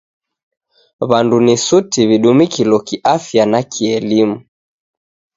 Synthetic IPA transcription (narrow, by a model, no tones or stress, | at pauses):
βandunisutiβiɗumikilɔkiʔafjanakʰiɛlimu